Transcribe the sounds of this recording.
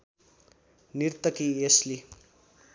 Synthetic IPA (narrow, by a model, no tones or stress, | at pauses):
nirt̪ʌkiesli